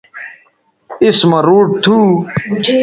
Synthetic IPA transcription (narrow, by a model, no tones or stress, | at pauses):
ismɐɾuːʈ̚t̪ʰuː